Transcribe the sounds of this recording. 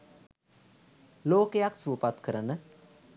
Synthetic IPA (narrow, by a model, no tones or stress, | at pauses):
loːkejaksuːpat̪kʰəɾənə